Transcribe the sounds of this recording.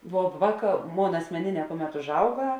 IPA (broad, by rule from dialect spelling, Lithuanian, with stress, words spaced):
ʋoː ˈʋɑːˌkɑː ˈmoːn ɐsʲmʲɛˈnʲeːˌnʲɛː ˈkʊˌmʲɛt ʊʒˈɐʊɡɐ